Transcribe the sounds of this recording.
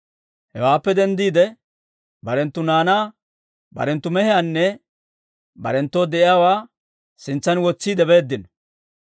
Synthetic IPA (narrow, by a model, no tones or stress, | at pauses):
hɛwaːpːɛd̪ɛnd̪iːd̪ɛ | bɐɾɛnt̪ːʊnaːnaː | bɐ̰ɾɛnt̪ːʊmɛhɛjanːɛ | bɐ̰ɾɛnt̪ːoːd̪ɛʔɪjaːwaː | sɪnt͡sːɐnwɔt͡sːiːd̪ɛbe̞ːd̪ːɪnɔ̥